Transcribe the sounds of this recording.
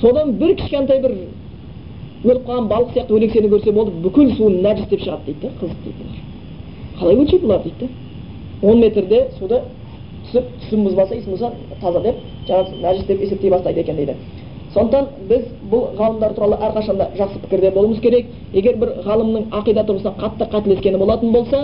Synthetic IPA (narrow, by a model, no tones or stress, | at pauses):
so̞d̪ɑnbɪɾkʲʰɪ̥ʃkʲent̪̬ɑjbɪɾ | wɵlɪpqʰɑʁɑnbɑɾlˠəqsjɑq̚t̪əwɵle̞kse̞nɪkʲʰɵɾse̞bo̞lˠd̪əbʏkʲɪlsuənːæʒɪsd̪e̞pʃəʁɑd̪d̪ejt̪ːɪqʰəzəq̚d̪ḛjt̪ɪn | qʰɑlˠɑjwɵlʃet̪bolˠɑɾd̪ejt̪ː | wo̞nme̞t̪ɾd̪e̞sud̪ə | t̪ʰʏ̥sɪp̚t̪ʰʏ̥sɪmmɪzbolˠsɑjisəmosɑ | t̪ʰɑzɑd̪e̞p̚ | ʒ̥ɑɴɑsnæʒɪsd̪e̞pese̞p̚t̪ejbɑst̪ɑjd̪əe̞kʲed̪ed̪ɪ | so̞nd̪əqt̪ɑnbɪz | bʊlˠʁɑlˠəmd̪ɑɾt̪ʰuɾɑlˠəʔæɾqʰɑʃɑnd̪ɑ̰ʒɑqsəpʰɪ̥kʲɪɾd̪ebo̞lˠəməzkʲʰe̞ɾek̚ | jeɡʲe̞ɾbɪɾʁɑlˠəmnəɴɑqijd̪ɑt̪ʰʊɾʁəsnɑqʰɑt̪ːəqʰɑt̪ɪle̞skʲe̞nɪbo̞lˠɑt̪ənbo̞lˠsɑ